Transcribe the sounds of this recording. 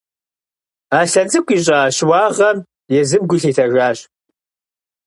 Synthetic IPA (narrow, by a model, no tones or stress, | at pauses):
aːɬɐd͡zɨkʷʰʼiːɕ̬ʼaːɕwaːʁɐm | jɛzɨbɡʷʊɬiːtʰɐʒʷaːɕ